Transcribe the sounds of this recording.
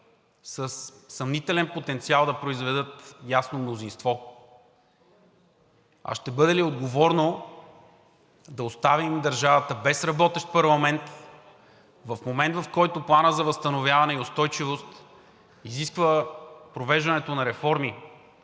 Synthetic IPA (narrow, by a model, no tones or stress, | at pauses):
səsːɐmnit̪ɛlɛnpot̪ɛnt̪sialˠd̪ɐpɾoizvɛd̪ɤt̪jasnomnozinst̪vɔ | ɐ̰ʃt̪ɛbɤd̪ɛliod̪ɡovɔɾno | d̪ɐost̪avimd̪ɐɾʒavət̪əbɛsɾɐbɔt̪ɛʃt̪̚pəɾlˠɐmɛnt̪ | vɐfmomɛnd̪vɐfkɔjt̪ʊplˠanəzɐvɐst̪ɐnovʲjavɐnɛiost̪ɔjt͡ʃivost̪ | iziskvəpɾovɛʒvɐnɛt̪onɐɾɛfɔɾmi